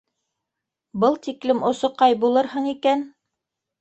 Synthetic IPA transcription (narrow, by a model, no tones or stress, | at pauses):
bɤlˠt̪iklɘmŏsŏqɑjbulˠɤɾhɤɴikæn